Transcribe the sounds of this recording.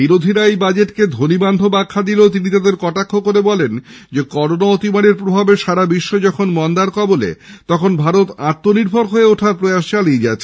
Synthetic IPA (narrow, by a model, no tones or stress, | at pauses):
biɾod̪ʱiɾaejbad͡ʑeʈked̪ʱoniband̪ʱobakʰːad̪ilet̪init̪ad̪eɾkɔʈakʰːokoɾebɔlend͡ʑekɔɾonaot̪imaneɾpɾobʱabeʃaɾabiʃːoed͡ʑɔkʰonmɔnd̪aɾkɔbolḛt̪ɔkʰonbʱaɾot̪aɾt̪ːoniɾbʱoɾɦoeoʈʰapɾojaʃt͡ɕalied͡ʑaet͡ɕʰe̥